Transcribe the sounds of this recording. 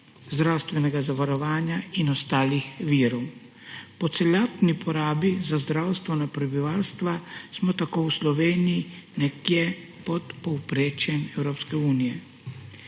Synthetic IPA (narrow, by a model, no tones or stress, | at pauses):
zd̪ɾawst̪ʋɛnɛɡazaʋaɾɔʋaːnjainɔst̪aːlixʋiːɾɔw | pɔt̪sɛlaːt̪nipʰɔɾaːbizazd̪ɾawst̪ʋɛnapɾɛbiʋaːlst̪ʋasmɔt̪akowslɔʋeːnijinɛkjɛ | pɔt̪pɔwpɾeːt͡ʃɛmɛwɾoːpskɛuːnijɛ